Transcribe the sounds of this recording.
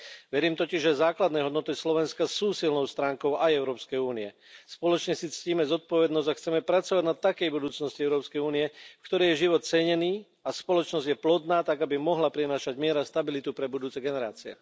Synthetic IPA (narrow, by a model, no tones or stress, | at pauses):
ʋɛɾiːmt̪ɔciʒʒɛzaːklad̪nɛːɦɔd̪nɔt̪islɔʋɛnskasuːsilnɔʊst̪ɾaːŋkɔʊʔajɛʊɾɔːpskɛjuːniɛ | spɔlɔt͡ʃɲɛsit͡sciːmɛzɔt̪̚pɔʋɛd̪nɔzɟaxt͡sɛmɛpɾat͡sɔʋaɟnat̪ːakɛjbud̪uːt͡snɔsciɛʊɾɔːpskɛjuːniɛfkt̪ɔɾɛjɛʒiʋɔt̪̚t͡sɛɲɛniː | aspɔlɔt͡ʃnɔzɟjɛplɔd̪naːt̪aɡabimɔɦlapɾinaːʃaɟmɪɛɾast̪abilit̪upɾɛbud̪uːt͡sɛɡɛnɛɾa̰ːt͡siɛ̰